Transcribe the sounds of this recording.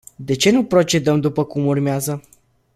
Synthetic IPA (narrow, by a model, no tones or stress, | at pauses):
d̪e̞t͡ʃe̞nupɾo̞t͡ʃe̞d̪əmd̪upəkumurmeazə